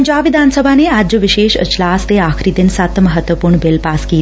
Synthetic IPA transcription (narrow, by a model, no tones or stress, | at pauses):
ɲd͡ʑaʋɪd̪ʱansəbʱanead͡ʑoʋɪʃeʃə̰t͡ʃlast̪eakʰɾid̪ɪnsat̪ʰːəməɦət̪ʋəpuːɾɳbɪlpaski